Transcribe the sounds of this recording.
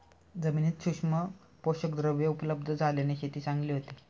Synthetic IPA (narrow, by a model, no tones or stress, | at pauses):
d͡zəmiːniːt̪ɕukʂmə | poɕəkd̪ɾəʋjəupələb̚d̪ʱəd͡zʱaleneɕʰet̪iːt͡saŋɡliːɦot̪iː